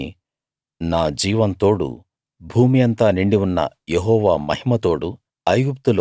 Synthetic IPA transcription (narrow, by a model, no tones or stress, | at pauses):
naːd͡ʒiːʋɐnt̪o̞ːɽṵ | bʱuːmijɐnt̪aːniɳɖiunːɐ̰ | jeɦɔːʋaːmɐ̰ɦimɐt̪o̞ːɽu | ɐjɡup̚t̪ulo